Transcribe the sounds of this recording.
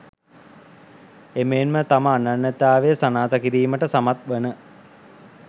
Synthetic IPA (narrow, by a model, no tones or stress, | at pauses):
emeːnmət̪aməanːanːət̪aːʋejsanaːt̪əkiɾiːməʈəsamat̪̚ʋənə